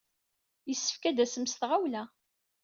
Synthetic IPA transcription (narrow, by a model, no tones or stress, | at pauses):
jəsːə̥fkæd̪æsəmsθʁawlæ